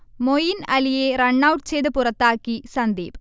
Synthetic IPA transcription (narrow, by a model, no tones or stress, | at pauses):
mojinɐlijerɐɳːaːwʈt͡ɕejðɐɨpurɐt̪ːaːkːisɐnd̪ḛːb